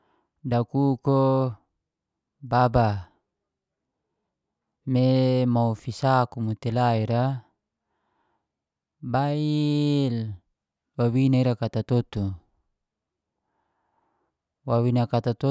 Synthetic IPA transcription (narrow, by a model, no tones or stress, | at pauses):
dakuko | baba | memaufisakumut̪elaiɾa | bail | wawinaiɾakat̪at̪ot̪u | wawinakat̪at̪o